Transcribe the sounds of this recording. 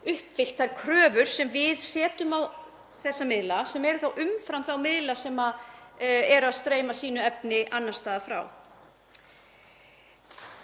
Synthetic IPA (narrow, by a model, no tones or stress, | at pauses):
ʏhpfɪl̥t̪θajɾ̥kʰɾœːvʏɾ̥sɛmvɪðsɛːt̪ʏmaw | θɛsːamɪðlasɛmɛɾθawʔʏmfɾamθawmɪðlasɛmað | ɛɾaðst̪ɾeːjmasiːnʏɛp̚nɪʔanːḁst̪aːðafɾa̰w